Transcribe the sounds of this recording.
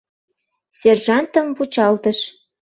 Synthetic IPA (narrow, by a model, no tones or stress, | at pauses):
sʲerʒɑnt̪ə̆mvut͡ɕɑlt̪ə̆ʃ